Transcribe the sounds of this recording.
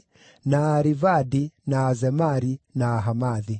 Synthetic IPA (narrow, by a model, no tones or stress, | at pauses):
naːɾivadinaːzɛmaɾinaːɦamaði